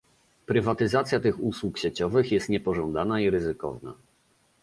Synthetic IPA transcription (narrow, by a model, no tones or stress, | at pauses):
pɾɘvat̪ɘzat̪sʲjat̪ɘxuswukɕet͡ɕɔvɘxjɛst̪ɲɛpɔʐɔnd̪anaiɾɘzɘkɔ̰vna̰